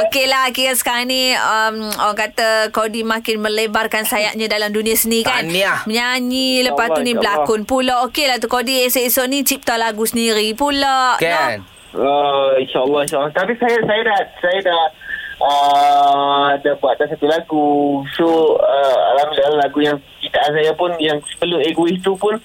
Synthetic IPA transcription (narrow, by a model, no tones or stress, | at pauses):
okelaɦokikansə̥kaɾaŋniəmakat̪akodimãkɪnmə̃lebarkansajaʔɲadalamdunĩasəniikanniməɲaɲiləpasunibəlakʊnpulɔʔokelaht̪ukodiesesonit͡ʃip̚t̪alaɡusəniɾipulɔʔnɔ | əinʃaʔəlːɔinʃalːɔt̪apisajasajadahsajadahə | adahbuat̪̚dasat̪ulaɡusoəa̰lamilalalaɡujaŋkit̪aans̬ajapʊnjaŋsə̥pəlʊmeɡuist̪upʊn